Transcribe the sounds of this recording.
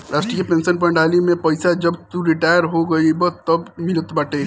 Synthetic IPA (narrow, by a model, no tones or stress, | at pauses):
ɾʔaːsʈɾiapẽːnsənp̬ɐ̃ɳɖaːlimẽpɐɪsad͡ʒɐbt̪uɾɪʈaːjəɾɦoɡɐibot̪ɐbmɪlət̪baʈeː